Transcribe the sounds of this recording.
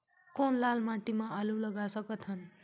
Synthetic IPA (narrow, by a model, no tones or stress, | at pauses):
kʌnlalmaʈimaalulʌɡasʌkʌt̪ʰʌn